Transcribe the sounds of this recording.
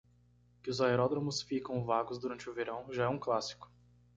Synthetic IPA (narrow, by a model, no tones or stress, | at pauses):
kɪʊzaeɾɔd̪ɾõmʊsfikɐ̃w̃vaɡʊzd̪uɾɐ̃nt͡ʃɪʊveɾɐ̃w̃ʒaɛũklasi̥kʊ̥